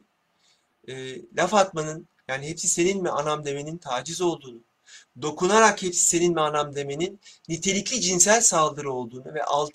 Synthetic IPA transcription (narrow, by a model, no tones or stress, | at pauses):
ɛːlʲafat̪manɯn | jaːniɦɛpsise̞ninmɛanamd̪e̞me̞nint̪ʰaːd͡ʒizo̞lˠd̪uːnu | d̪o̞kʰunaɾakhɛpsi̥se̞ninmɛanamd̪e̞me̞ninːit̪ʰe̞lʲicʰʲid͡ʒinsælʲsalˠd̪ɯɾɯo̞lˠd̪uːnuvɛ̰ʔa̰lˠ